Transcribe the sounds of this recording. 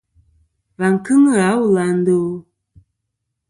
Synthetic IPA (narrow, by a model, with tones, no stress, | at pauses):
va˨ŋ˨kɨ˦ŋə˦˨a˨˦wu˦˨la˨n̩˦do˦˨˦